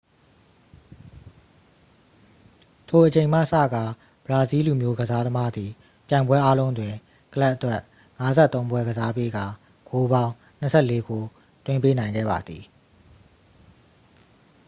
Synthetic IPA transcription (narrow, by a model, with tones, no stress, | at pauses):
tʰo˨ʔə˨t͡ɕẽ˨ɪ̃m̥a̰˦˨sä̰˦˨ɡa˨ | b̥əɹa˨zi˦lu˨mjo˦ɡəza˦d̪ə˦ma˦d̪ði˨ | pjã˨ɪ̃bwɛ˦ʔa˦lõ˦ʊ̃ntdwɪ̃˨ | kə˨la˦ʔətwɛ˦ʔ | ŋa˦zɛ̰˦t̪ːõ˦ʊ̃bwɛ˦ɡəza˦pe˦ɡa˨ | ɡo˦bã˦ʊ̃ | n̥ə˦sʰɛ̰˦˨le˦ɡo˨ | t̪wɪ̃˦mpe˦nã˨ɪ̃ŋɡɛ̰˦˨ba̰˨d̪ði˨